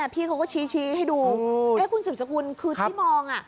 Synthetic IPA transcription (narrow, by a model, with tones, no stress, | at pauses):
a˧˩pʰiː˧kʰa˧˦wkɔː˥˩t͡ɕʰiː˧˥t͡ɕʰiː˧˦ha˥˩jduː˧ɛː˦˥kʰu˧nsɨː˨˩sa˧ku˧ənkʰɯː˧tʰːmɔː˧ŋʔa˨˩